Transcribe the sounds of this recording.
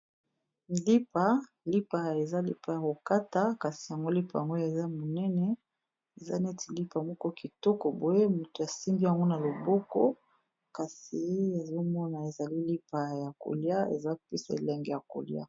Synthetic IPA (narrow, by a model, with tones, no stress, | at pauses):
li˦pa˨ | li˦pa˨e˨za˦lḭ˦pa˨ja˨ko˨ka˦ta˨˦ka˨si̥˨ja˨ŋɡo˦li˦pa˨ja˨ŋɡo˦ja˨za˦mo˨nɛ˦nɛ˨ | e˨za̰˦nɛ˦ti˨li˦pa˨mɔ˦kɔ˦ki˨tɔ˦kɔ˨bo˨e˦mu˨to˨ja˨si˦mbi˦ja˨ŋɡo˦na˨lo˨bɔ˦kɔ˦ | ka˨si˨ja˨zo˦mɔ˦na˨e˨za˨li˦li˦pa˨ja˨ko̰˨lja˦ḛ˨za˦pi˦sa̰˨lɛ˨ŋɡɛ˨ja˨ko̰˨lj̰a̰˦